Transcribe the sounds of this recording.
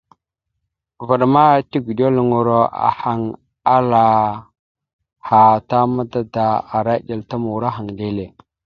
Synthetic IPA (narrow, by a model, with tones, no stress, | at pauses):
va˨ɗma˦ti˦ɡu˨do˦lŋu˨ɾo˦a̰˨ha˨ŋ | a˦la˨ | ha˨ta˦ma˦da˦da˨a˨ɾa˦ɗe˨lta˦mu˨wɾa˦ɦa˨ŋde˦le˨